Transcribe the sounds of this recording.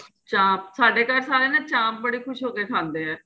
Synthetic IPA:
t͡ʃaːmsaːɖeːkaːɾsaːɾeːnãːt͡ʃaːmbəɽiːkʰʊʃɦoːkeːkʰãːnd̪eːɛː

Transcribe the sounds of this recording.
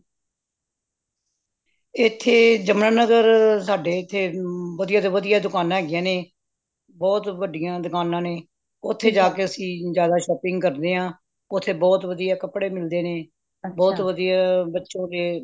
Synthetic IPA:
ɪt̪ʰːeːd͡ʒəmnaːnəɡəɾsaːɖeːɪt̪ʰːeːʋəd̪ijaːt̪oːʋəd̪ijaːd̪ʊkaːnãɦɛːɡɪjãːneː | bɔːt̪ʋəɖɪjãːd̪ʊkaːnãːneː | ʊt̪ʰːeːd͡ʒaːkeːəsĩːzjaːd̪aːʃɔːpɪ̃ŋɡkəɾd̪eːɦãː | ʊt̪ʰːeːbɔːt̪ʋəd̪ijaːkəpɽeːmɪld̪eːneː | bɔːt̪ʋəd̪ijaːbətːʃõːd̪eː

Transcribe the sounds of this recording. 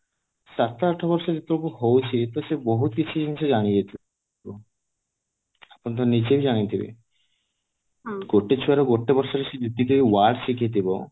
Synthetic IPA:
ʃat̪ːaaʈʰabɔɾʃad͡ʑut̪uɾokuɦowt͡ɕʰit̪oʃebɔɦut̪̚kit͡ɕʰud͡ʑinit͡ɕʰud͡ʑanijet̪ʰi | o | apont̪onit͡ɕebid͡ʑanit̪ʰibḛ | ɡoʈːet͡ɕʰuɛɾoɡoʈːebɔɾʃaɾeʃed͡ʑud̪ːit̪oiwaɖʃikʰijet̪̬ibo

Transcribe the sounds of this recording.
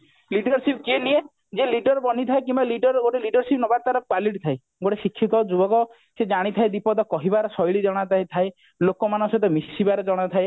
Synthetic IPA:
liɖɔɾsipkienie | d͡ʒeliɖɔɾbɔnit̪ʰaekimbaliɖɔɾɡoʈeliɖɔɾsipnɔbaɾt̪aɾɔkwaliʈit̪ʰaj | ɡoʈesikʰːit̪ɔd͡ʒubɔkɔ | sed͡ʒaɽ̃it̪ʰajd̪ipɔd̪ɔkɔɦibaɾɔsɔjɭid͡ʒɔɽ̃at̪ʰajt̪ʰae | lokɔmanɔsɔt̪ɔmisibaɾɔd͡ʒɔɽ̃ɔt̪ʰae

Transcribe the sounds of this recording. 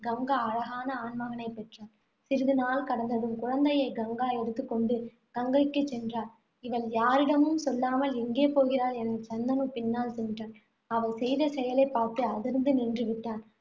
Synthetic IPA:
ɡɐŋɡaɐɻɐɣaːnɐaːnmɐɣɐnɐɪpːɛʈraːl | sɪɾɯðɯnaːlkɐɽɐnd̪ɐðɯmkʊɻɐnd̪ɐjɐɪɡɐŋɡaːɛɽɯt̪ːɯkːɔɳɖɯ | ɡ̥ɐŋɡɐkːɯt͡ʃːɛndraːl | ɪʋɐljaːɾɪɽɐmɯmsɔlːaːmɐlɛŋɡeːpoːɣɪɾaːlɛnɐt͡ʃɐnd̪ɐnɯpɪnːaːlsɛnːɪʈːaːn | ɐʋɐɪsɛjðɐsɛjɐlɐɪpːaːɾt̪ɯɐðɪɾɯnd̪ɯnɪndrɯʋɪʈːaːn

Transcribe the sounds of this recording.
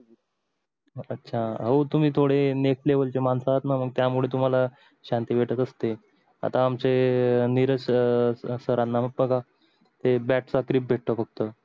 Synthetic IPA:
ətːɕʰaɦəwt̪um̤iːt̪ʰoɽeneklebəlt͡ɕemansaɦat̪naməɡ̚t̪jamuɭet̪um̤ala | ɕant̪iːʋ̤ʱeʈət̪əst̪e | a̰t̪aːmt͡seniɾəɕ | səɾanːaməbəɡa | t̪ebæʈt͡sakɾip̚bʱeʈ̚t̪əfəɡ̚t̪ə

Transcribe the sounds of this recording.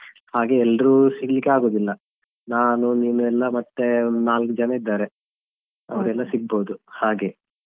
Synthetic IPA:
haːɡe̞ɛlːɐɾusiɡlikːeaːɡo̞ːd̪ilːɐ | naːnuniːnuɛlːɐmɐt̪ːenaːlkd͡ʒɐnɐid̪ːaːɾe̞ | ɐ̰ʋɐɾɛlːɐsiɡ̚bo̞ːd̪uhaːɡe̞

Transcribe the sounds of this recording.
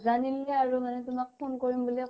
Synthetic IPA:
zanilɛaɹumanɛtʊmak̚pʰonkɔɹimbuli

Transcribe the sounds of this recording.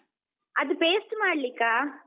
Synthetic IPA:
ɐd̪upeːsʈmaːɽlikːaː

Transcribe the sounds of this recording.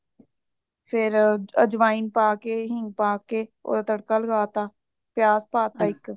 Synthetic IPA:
pʰɪɾə̰d͡ʒʋaːɪnpaːkeɦɪ̃ŋɡ̚paːkeːo̰ːd̪at̪əɽkaːləɡaːt̪aː | pjaːspaːt̪aːɪk

